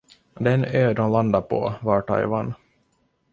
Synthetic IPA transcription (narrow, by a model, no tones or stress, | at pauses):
d̪ɛnøːd̪ɔmland̪apʰɔ̰vɑʈʰɑ̰ɪvan